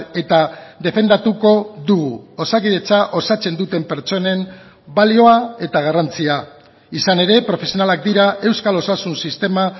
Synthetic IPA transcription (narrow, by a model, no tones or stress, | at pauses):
e̞t̪aðe̞fe̞nd̪at̪uko̞ðuɣuo̞sakiʎe̞t͡saʔosat͡se̞nd̪ut̪e̞mpe̞ɾt͡ʃo̞ne̞m | balio̞ae̞t̪aɣ̞arant͡sia | isane̞ɾe̞pɾo̞fe̞sio̞nalak̚d̪iɾaʔe̞wskalo̞sasunsist̪e̞ma